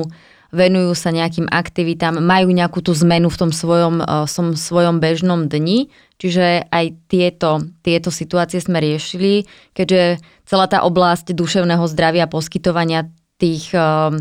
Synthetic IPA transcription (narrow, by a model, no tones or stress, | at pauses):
ʋɛnujuːsaɲɛak̬iːmʔa̰kt̪iʋit̪amːajuːɲɛakuːt̪uːzmɛnuft̪ɔmsʋɔjɔmft̪ɔmsʋɔjɔmbɛʒnɔmd̪ɲi | t͡ʃiʒɛajt̪ɪɛt̪ɔt̪ɪɛt̪ɔsit̪uaːt͡siɛzmɛɾɪɛʃili | kɛɟʒɛ | t͡sɛlaːt̪a̰ʔɔblascd̪uʃɛʊnɛːɦɔzd̪ɾaʋɪapɔskit̪ɔʋaɲɪa | t̪iːx